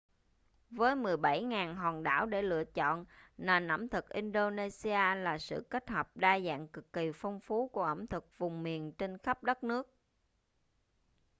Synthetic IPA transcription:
vəː˨˦jmɨ˨˩əjɓa˧˩jŋaː˨˩nɦɔː˨˩nɗa̰ː˧˩wɗe˧˩lɨ̰˧˨ət͡ɕɔ̰˧˨nnaː˨˩nʔə̰˧˥˩mt̪ʰɨ˨˩k̚ʔi˧nɗo˧ne˧si˧aː˧laː˨˩sɨ̰˧˨ke˦˥t̚həː˨˩p̚ɗaː˧za̰ː˧˨ŋkɨ˨˩kːi˨˩fɔ˧wŋ͡mfu˨˦ku˧˩əʔə˧˩mt̪ʰɨ˨˩k̚vʊ˨˩ŋ͡mmi˨˩ənt͡ɕe˧nxə˦˥p̚ɗə˦˥t̚nɨ˦˥ək̚

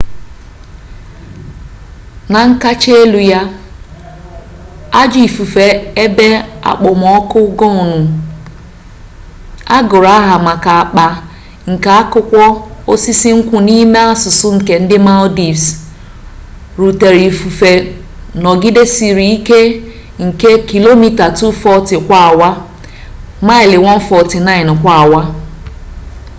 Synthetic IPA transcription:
na˨ŋ̩˦ka˦t͡ʃe˦e˦lu˨ja˦ | a˦d͡ʒi˨fu˨fe˨e˦be˦a̰˨k͡pʊ˨m˨ɔ˦kʊ˦ɡɔ˦ʊ˨nʊ˨ | a˦ɡʊ˨ɾa˦ɦa˨ma˨ka˨a˨k͡pa˨ | ŋ̩˨ka˨a˦kʊ˦kʷɔ˦o˦si˦si˦ŋ̩˦kʷʊ˦ni˦me˦a˦sʊ˨sʊ˦ŋ̩˨ke˨n̩˦dɪ˦ma˦ldi˨s | ɾu˨te˨ɾi˨fu˨fe˨ | nɔ˨ɡi˦de˦si˨ɾi˨i˦ke˦ | ŋ̩˨ke˦ki˨lo˦mi˦ta˨tu˦fɔ˦tɪ˨kʷa˦a˨wa˦ | ma˦ɪ˨lɪ˨wɔ˦n̩˦fɔ˨tɪ˨na˦ɪ˨n˨kʷa˦˨a˨wa˦

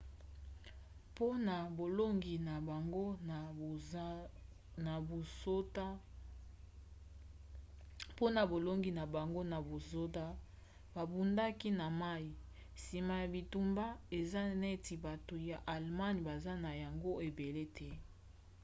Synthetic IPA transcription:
po˦na˨bo˨lo˦ŋɡi˨na˨ba˨ŋɡo˦na˨˦ | na˨bo˨so˦ta˦ | po˦na˨bo˨lo˦ŋɡi˨na˨ba˨ŋɡo˦na˨bo˨zo˦da˦ | ba˨bu˨nda˦ki˦na˨ma˦i˨ | si˨ma˨ja˨bi˨tu˦mba˦e˨za˦ne˦ti˨ba˨to˨ja˨ʔa˨lma˦ni˨ba˨za˦na˨ja˨ŋɡo˦e˨be˨le˦tʰɛ˦

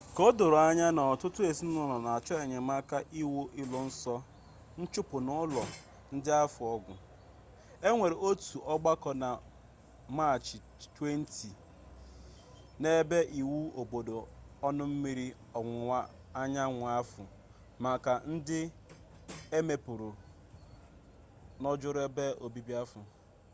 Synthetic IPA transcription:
ko˦do˨ɾʊ˨a˦ɲa˦nɔ˨tʊ˦tʊ˦e˨si˦n˦ɔ˦nɔ˨na˨a˨t͡ʃɔ˦e˨ɲe˨ma˦ka˦ʔi˦wo˦ʔi˦lɔ˨n̩˦sɔ˦ | n̩˦t͡ʃʊ˦pʊ˨nʊ˦lɔ˨ | n̩˦dɪ˦a˦fʊ˨ɔ˦ɡʷʊ˨ | e˦ŋʷe˨ɾe˨o˦tu˨ʔɔ˦ɡ͡ba˦kɔ˦na˨ | ma˦˨t͡ʃɪ˨ | twe˦n̩˦tʰi˨ | ne˦be˦ʔi˨wu˦o˨bo˨do˨ɔ˦nʊ˦m̩˦mi˦ɾi˦ | ɔ˨ŋʷʊ˨ŋʷa˦ | a˦ɲa˦ŋʷʊ˨a˦fʊ˨ | ma˨ka˨n̩˦dɪ˦ | e˦me˨pʊ˨ɾo˨ | nɔ˦d͡ʒʊ˦ɾʊ˦e˦be˦o˨bi˦bi˦a˦fʊ˨

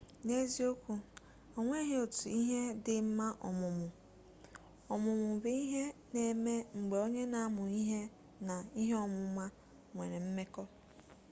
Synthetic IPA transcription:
ne˦zi˦o˦kʷu˦ | o˨ŋʷe˦ɦe˦o˨tu˨i˦ɦe˦dɪ˨m̩˦ma˦ʔɔ̰˨mʊ˨mʊ˨ | ɔ˨mʊ˨mʊ˨be˦i˦ɦe˦ne˨me˦ŋ͡m̩˨ɡ͡be˨o˦ɲe˦na˨a˦mʊ˨i˦ɦe˦ | na˨i˦ɦe˦ɔ˦mʊ˨˦ma˦ | ŋʷḛ˨ɾe˨m̩˦me˦kɔ˦

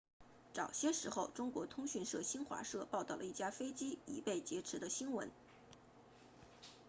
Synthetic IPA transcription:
ʈ͡ʂɑ˨˩ʊɕjɛ˥ʂɻ̩˧˥xo˥˧ʊʈ͡ʂʊ˥ŋkwɔ˧˥t̪ʰʊ˥ŋɕy˥˧nʂɤ˥˩ɕi˥nxwa̰˧˥ʂɤ˥˧pɑ˥˧ʊt̪ɑ˥˩ʊlə˩˧i˥˩t͡ɕja˥fe˥ɪt͡ɕi˥i˨˩pe˥˩ɪt͡ɕjɛ˧˥ʈ͡ʂʰɻ̩˧˥d̪ə˧ɕi˥nwə̰˧˥n

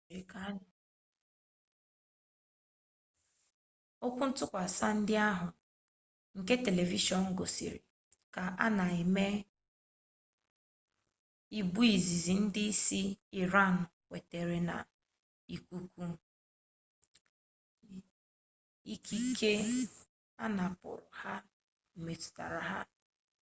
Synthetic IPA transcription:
a˦˨ | o˦kʷu˦n̩˦tʊ˦kʷa˨sa˦n̩˦dɪ˦a˦ɦʊ˨ | ŋ̩˨ke˦te˨le˨vi˦ʃɔ˨n̩˦ɡo˨sḭ˨ɾɪ̰˨ | ka˨ʔa˦na˨e˨me˦ | i˦bu˦i˨zi˨zi˨n̩˦dɪ˦i˦si˦i˨ɾa˦˨n˨kʷe˨te˨ɾe˨na̰˨ | i˨kʷu˦kʷu˦ | i˦ki˦kʰe˦ | a˦na˨pʊ̰˨ɾʊ̰˨ha˦ | m̩˨me˨tʊ̥˨ta̰˨ɾa˨ɦa̰˦

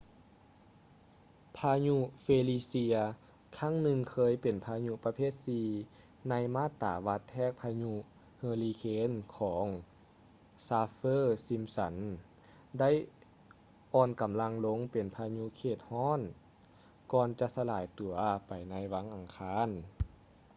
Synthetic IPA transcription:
pʰaː˧ɲu˧feː˧liː˧si˧ɐ | kʰa˧˥˨ŋnɯ˧ŋkʰɤː˧˨jpe˨˩npʰaː˧ɲu˧pa˧pʰeː˥˩t̪̚siː˧ | na˧˥jmaː˥˨t̪ːa̰ː˨˩˦ʋa˧t̪ʰːɛː˧˥˩k̚pʰaː˧ɲu˧ | hɤː˧liː˧kʰeː˧˥nkʰɔː˩˦ŋ | saː˧fɤː˧˥˩si˧msa˨˦n | da˥˩˨j | ʔɔː˧nka˨˩mla˧ŋlo˧˥ŋpe˨˩npʰaː˧ɲu˧kʰeː˧˩t̪̚hɔː˥˨n | kɔː˧˩nt͡ɕa˧ʔsa˧laː˨˩jt̪u˨˩ɐpa˨˩jna˧˥jʋa˧˥ŋʔa˨˩ŋkʰaː˧˥˨n

